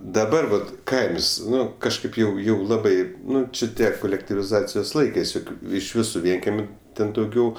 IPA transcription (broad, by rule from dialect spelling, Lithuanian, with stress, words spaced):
dɐˈbɐr ʋɐt ˈkɐɪms ˈnʊ kɐʃˈkɐɪp jɛʊ ˈjɛʊ ˈlˠɑːbɐɪ ˈnʊ t͡ʃʲɪ ˈtʲiɛ koːlʲɛktʲɪʋʲɪˈzɑːt͡sʲɪjoːs ˈlˠɐɪkɜs joːˈkʲuː ˈɪʃ ˈʋʲɪsʊ ˈʋʲiɛŋʲkʲɛmʲʊ ˈtʲɛn dɐʊˈɡʲɛʊ